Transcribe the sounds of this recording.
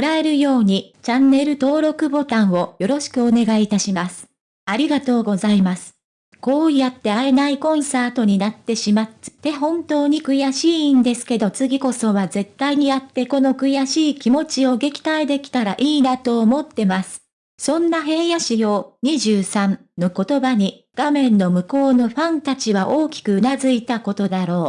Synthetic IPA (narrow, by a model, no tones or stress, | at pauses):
kɾae̞ɾɯ̟jo̞ːɲ̟it͡ɕãnːe̞ɾɯ̟t̪o̞ːɾo̞kɯ̟bo̞t̪ãɰ̃o̞jo̞ɾo̞ɕi̥kɯ̟o̞ne̞ɡait̪aɕimasɨ̥ | aɾʲiɡat̪o̞ːɡo̞zaimasɨ̥ | ko̞ːjat̪ːe̞ae̞naikõ̞ɰ̃saːt̪o̞ɲ̟inat̪ːe̞ɕimat̪ːɨ̥t̪e̞ɦõ̞nt̪o̞ːɲ̟ikɯ̟jaɕĩːnd̪e̞sɨ̥ke̞d̪o̞t͡sɨɡʲiko̞so̞βaze̞t̪ːaiɲ̟ijat̪ːe̞ko̞no̞kɯ̟jaɕiːkʲimo̞t͡ɕio̞ɡe̞kʲi̥t̪aed̪e̞kʲi̥t̪aɾaʔiːnat̪o̞ːmo̞t̪ːe̞masɨ̥ | sõ̞nːaɦe̞jaɕijoːɲ̟iʑɨːsãn | no̞ko̞t̪o̞baɲ̟i | ɡ̥amẽ̞nːo̞mɯ̟ko̞ːno̞ɸãnt̪at͡ɕiβ̞aʔo̞ːkʲi̥kɯ̟ɯnazɨit̪ako̞t̪o̞d̪aɾo̞ː